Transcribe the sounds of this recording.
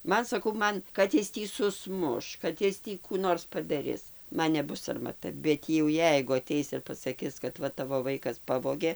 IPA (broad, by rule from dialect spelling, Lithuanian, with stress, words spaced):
ˈmɐn sɐˈkɐʊ ˈmɐn ˈkɐt ɪs ˈtʲiː sʊˈsmʊʃ ˈkɐt ɪs ˈtʲiː ˈkuː ˈnoːrs pɐdɐˈrʲɪs ˈmɐn nʲɛˈbʊs sɐrmɐˈtɐ bʲɛt jɛʊ ˈjɛɪɡʊ ɐˈtʲɛɪs ɪr pɐsɐˈkʲɪs kɐt ˈʋɐ ˈtɑːʋoː ˈʋɐɪkɐs ˈpɑːʋoːɡʲeː